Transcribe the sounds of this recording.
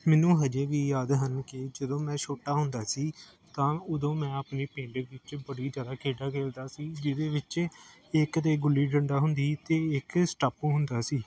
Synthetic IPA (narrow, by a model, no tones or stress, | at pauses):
mɛːnũːɦəd͡ʒeːʋiːjaːd̪ɦənkɪd͡ʒəd̪õːmɛ̃ːʃʰoːʈaːɦʊnd̪aːsiː | t̪ãːʊd̪õːmɛ̃ːəːpneːpẽːɳɖeːʋɪt͡ʃbəɽiːzjaːd̪aːkʰeːɖaːkeːld̪aːsiːd͡ʒɪd̪eːʋɪt͡ʃ | ɪkt̪eːɡʊlːiːɖəɳɖaːɦʊnd̪iːt̪eːɪksʈaːpũːɦʊnd̪aːsiː